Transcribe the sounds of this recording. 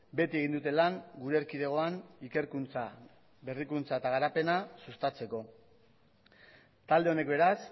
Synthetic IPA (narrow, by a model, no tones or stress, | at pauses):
be̞t̪ie̞ɣ̞ind̪ut̪e̞laŋɡuɾeːɾkiðe̞ɣ̞o̞anike̞ɾkunt͡sa | be̞rikunt͡saet̪aɣ̞aɾape̞nasust̪at͡se̞ko̞ | t̪ald̪e̞o̞ne̞kbe̞ɾas